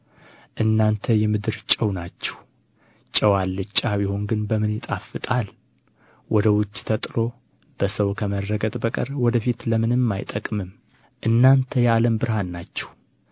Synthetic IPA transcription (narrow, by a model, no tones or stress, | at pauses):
ʔɨnːant̪ʰəjɛmɨd̪ɨɾt͡ʃʼəwnat͡ʃːɛ̥h | t͡ʃʼəwalːɨt͡ʃʼːabiho̞nɡɨnbəmɨnjɪt̪ʼafːɨt̪ʼal | wʔɔd̪əwʊt͡ʃʼːt̪ʰət̪ʼɨlo̞ | b̥əsəwkʰəmərːəɡət̪ʼbəkʼə̰ɾwɔd̪əfit̪ləmɨnɨmːajt̪ʼəkʼmɨm | ʔɨnːant̪ʰəjaləmbɨɾhanːat͡ʃːɛ̥w